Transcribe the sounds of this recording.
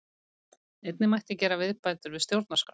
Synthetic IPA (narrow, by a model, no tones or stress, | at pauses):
ejt̪nɪmajht̪ɪcɛːɾavɪðpajt̪ʏɾvɪðst̪jowɾt̪naskɾa